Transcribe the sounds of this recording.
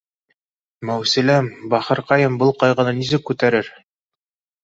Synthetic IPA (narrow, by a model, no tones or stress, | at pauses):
mæwsɘ̆læmbɑχɤ̆ɾqɑjɤmbɤlˠqɑjʁɤ̆nɤnisɘkːʉt̪æɾɘɾ